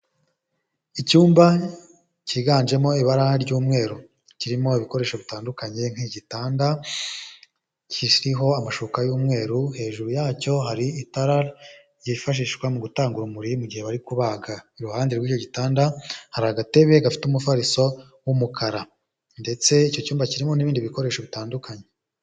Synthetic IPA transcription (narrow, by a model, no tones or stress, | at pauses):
icuːmba | ciːɡaːɲd͡ʒe̞mo̞iβaɾaɾɟuːmŋe̞ːɾu | ciɾimo̞iβiko̞ɾeʃoβitaːndukaɲe̞ŋ̥hiɟitaːnda | cʰiɾiɦo̞amaʃokajuːmŋe̞ːɾuhe̞ːʒuɾujaːco̞ɦaɾiitaɾa | jifaʃ̬iːʃɡwamuɡutaːŋɡuɾumuɾimuɟihe̞βaɾikuβaːɡaiɾuhaːndeɾɡwiːco̞ɟitaːndahaɾaɡate̞βe̞ɡafi̥tumufaɾiso̞ | wumukʰaɾa | nde̞t͡se̞ico̞cuːmbaciɾimo̞niβiːndiβiko̞ɾe̞ːʃoβitaːndukaɲe̞